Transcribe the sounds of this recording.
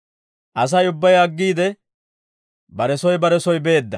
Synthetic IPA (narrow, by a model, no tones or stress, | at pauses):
ʔɐs̬ɐjʊbːɐjɐɡːiːd̪ɛ | bɐɾɛsɔjbɐɾɛsɔjbe̞ːd̪ːɐ